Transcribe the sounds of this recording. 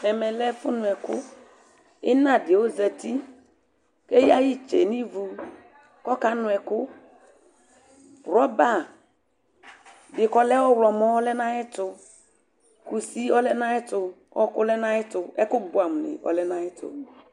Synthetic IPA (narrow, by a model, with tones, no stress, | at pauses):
ɛ˨mɛ˨lɛ˦fʊ˦nʊ˨ɛ˨kʊ˦ | ɪ˦na˦dɪ˨o˦zɛ˨ti˦ | ke˦ji˦a˦ji˦t͡ʃḛ˨ni˦vu˨ | kɔ˦ka˨nʊ̃˨ɛ˨kʊ˦ | ɾɔ˦ba˦˨ | dɪ˨kɔ˦lɛ˦ɔ˦wlɔ˨mɔ˦ɔ˦lɛ˦na˦ɛ˦tʊ˨ | ku˨si˦ɔ˦lɛ˦na˦ɛ˦tʊ˨ | ɔ̰˦kʊ˦lɛ˦na˦ɪ˦tʊ˨ɛ˦kʊ˦bʊ˨˦a˨m˨nɪ̰˨ʔɔ̰˨lɛ˦na˦ɪ˦tʊ̰˨